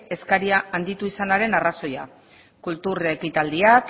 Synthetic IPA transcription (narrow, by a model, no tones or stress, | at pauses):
e̞skaɾiaːnd̪it̪uisanaɾe̞naraso̞ja̰ | kult̪urekit̪ald̪iat